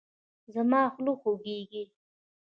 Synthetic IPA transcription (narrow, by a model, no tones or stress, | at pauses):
zamɑːxluxoɡeɡi